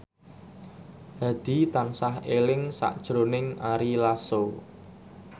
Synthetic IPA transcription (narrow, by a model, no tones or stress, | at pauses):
ha̤d̪̥i̤t̪ansaɦelɪŋsa̰ʔd̥ʒ̥ɾonɪŋaɾilaso